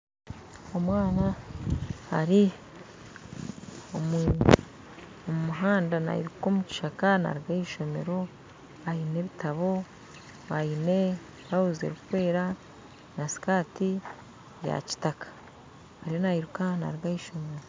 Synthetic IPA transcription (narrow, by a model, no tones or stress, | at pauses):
o̞mwaːna | haɾi | omu | omumuɦaːndana̰hḭɾuko̞ːmuci̥ʃakana̰ɾiɡaiʃo̞me̞̰ɾo̞ | ajine̞βitʰaβo̞ | βajine | βahuzḛɾukukwe̞ːɾa | nasi̥kaːti | ja̰ci̥takḁ | haɾijonahiɾukana̰ɾiɡajiʃo̞me̞ɾo̞